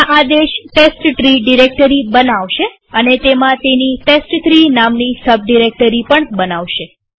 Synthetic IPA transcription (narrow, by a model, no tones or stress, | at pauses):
ʔad̪eʃʈesʈʈɾiɖiɾek̚ʈəɾibənaʋʃe | ənet̪emãt̪eniʈesʈt̪ɾinamnisəb̚ɖiɾek̚ʈəɾipəɳbənaʋʃe